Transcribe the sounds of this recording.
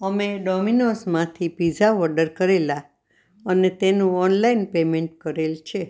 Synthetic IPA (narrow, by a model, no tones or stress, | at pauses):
əmeɖɔminosmãt̪ʰipid͡ʒaɔɾɖəɾkəɾela | ənet̪enũɔnlainpemẽɳʈkəɾelt͡ʃʰe